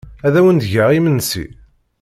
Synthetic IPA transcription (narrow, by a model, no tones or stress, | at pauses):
æðæwənd̪ʝaʁimənsḭ